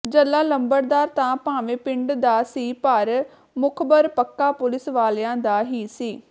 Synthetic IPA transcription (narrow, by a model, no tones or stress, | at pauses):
d͡ʒəlːaːləmbəɾd̪aːɾt̪ãːpãːʋẽːpɪ̃ɳɖd̪aːsiːpəɾ | mʊkʰbəɾpəkːaːpʊlɪsʋaːlãːd̪aːɦiːsiː